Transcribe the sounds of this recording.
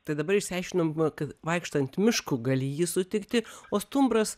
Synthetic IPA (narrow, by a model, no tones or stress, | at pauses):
t̪ɐɪd̪ɐbɐɾɪʃʲsʲɛɪʃʲkʲɪnomkɐt̪ʋɐɪkʃt̪ɐnʲt̪ʲmʲɪʃkuɡɐlʲɪjiːsʊt̪ʲɪkt̪ʲɪoːst̪ʊmbɾɐs